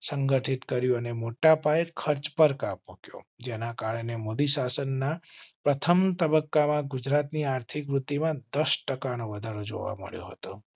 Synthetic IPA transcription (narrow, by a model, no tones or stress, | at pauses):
səŋɡəʈʰit̪kəɾjũənemoʈapaekʰəɾt͡ʃpəɾkapmukjo̰d͡ʒenakaɭenemod̪isasənːapɾət̪ʰəmt̪əbəkːamãɡʊd͡ʒɾat̪niaɾt̪ʰikɾut̪ːimãd̪əsʈəkanoʋəd̪ʱaɾod͡ʒo̰ʋa̰mə̰ɭjo̰ɦət̪o̰